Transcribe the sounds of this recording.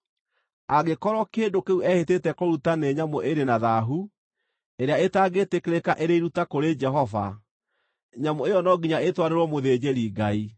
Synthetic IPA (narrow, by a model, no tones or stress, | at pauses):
aɡekɔɾɔkedokeuʔɛhetetɛkoɾutaneɲamoʔeɾenaðaɦu | eɾeaetaːɡetekeɾekaʔeɾeiɾutakoɾed͡ʒɛɦɔva̰ | ɲamoejɔnɔɡiɲaetwaɾeɾwɔmoðeːd͡ʑeɾiɡai